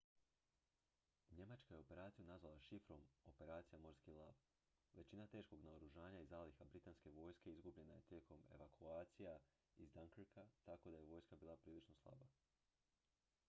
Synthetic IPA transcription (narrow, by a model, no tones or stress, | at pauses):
ɲe̞mat͡ʃkaje̞o̞pe̞ɾaːt̪sijunazʋalˠaʃifɾo̞mopeɾaːt̪sijamo̞ɾskilˠaʋ | ʋe̞t͡ɕinat̪e̞ːʃko̞ɡnaoɾuʒaːɲaizaːlixabɾit̪aːnske̞ʋo̞ːjske̞izɡubʎe̞naje̞t̪je̞ːko̞mḛʋakʰuaːt̪sija | izd̪aŋkɾkat̪ako̞d̪aje̞ʋo̞ːjskabiːlˠapɾiːlit͡ʃno̞slˠa̰ba